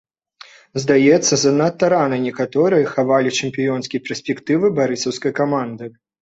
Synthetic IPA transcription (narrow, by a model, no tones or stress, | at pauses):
zd̪ajɛt̪sːɐzɐnat̪ːɐɾanɐnʲɛkat̪ɔɾɨjɐxavalʲit͡ʂɨmʲpʲijɔnskʲijpʲɛsʲpʲɛkt̪ɨvɨbaɾɨsɐwskɐjkamand̪ɨ